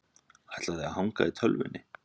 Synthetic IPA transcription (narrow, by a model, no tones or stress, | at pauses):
aht̪laðɪahawŋkait̪ʰœlvɪ̰nːɪ